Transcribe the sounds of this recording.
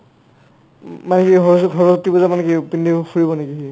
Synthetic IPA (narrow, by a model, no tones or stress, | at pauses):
manɛkiɔɦɔɹɔsɔk̚tibɔzamanɛkipindixuɹibɔneɡii